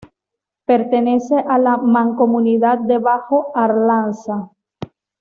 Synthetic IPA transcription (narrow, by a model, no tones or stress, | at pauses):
pe̞ɾt̪eneseʔalamãŋkomuniðat̪̚d̪eβaxoaɾlansa